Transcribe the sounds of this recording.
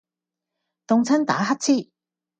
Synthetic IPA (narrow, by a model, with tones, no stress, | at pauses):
t̪ʊ˨˧ŋt͡sʰɐ˥nt̪a̰ː˨˥ɦɐ˥k̚t͡sʰiː˥